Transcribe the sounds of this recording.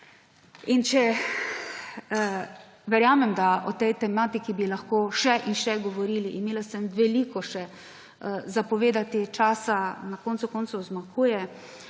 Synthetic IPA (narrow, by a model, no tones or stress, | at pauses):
int͡ʃɛ | ʋɛɾjaːmɛmd̪aɔt̪ɛjt̪ɛmaːt̪ikibilaxkoːʃɛʔinʃɛɡɔʋɔɾiːliʔimeːlasɛmʋɛliːkɔʃɛ | zapɔʋeːd̪at̪it͡ʃaːsanakoːnt̪sukont̪sɔzmakʰuːjɛ